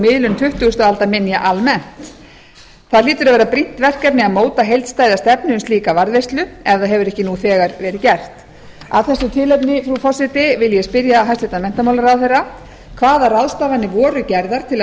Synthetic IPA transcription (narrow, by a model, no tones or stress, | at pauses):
mɪðlʏnt̪ʰʏht̪ʏʏst̪aalt̪amɪnjaʔalmɛn̥t̪ | θaðliːt̪ʏɾavɛːɾapɾin̥t̪vɛr̥kapnɪamoːwt̪aɦejlt̪st̪aːjðast̪ɛpnʏnsliːkavaɾðvejst̪lʏɛvðaðɦɛvʏɾɛhcɪnuθɛːɣaɾvɛːɾɪcɛr̥t̪ | a̰ðθɛsːʏt̪ʰɪlɛp̬nɪfɾufɔsɪt̪ɪvɪljɛspɪɾjaɦajst̪ɪt̪amɛn̥t̪amawlaɾawθejrːa | kʰvaːðaraðst̪avanːɪvɔːɾʏcɛɾðaɾ̥t̪ʰɪl